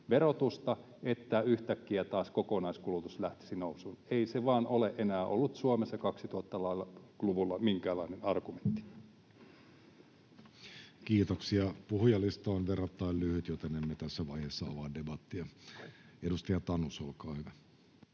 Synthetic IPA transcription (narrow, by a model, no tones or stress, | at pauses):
ʋerot̪ust̪ɑ | et̪ːæyht̪ækːiæt̪ɑːskokonɑiskulut̪uslæht̪i̥sinousuneiseʋɑːnoleʔenæːʔo̰lːut̪suomesːɑkɑksit̪uhoɑt̪ːɑlɑilːɑkluʋulːɑmiŋkæːlɑinenɑrɡument̪ːi̥ | kiːt̪oksiɑpuhujɑlːˑist̪ɑonʋerɑt̪ːɑillyhyt̪jot̪enːemːet̪æsːæʋɑiheːsːɑo̰ʋɑːndebɑt̪ːiɑ | edust̪ɑjɑt̪ɑnusolkɑːhyʋæ